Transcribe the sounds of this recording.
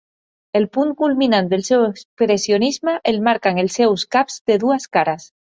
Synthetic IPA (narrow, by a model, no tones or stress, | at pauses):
elpunkulminãnd̪elsewekspɾesjonizmaʔelmaɾkaŋelsewskapz̥d̪eðuaskaɾas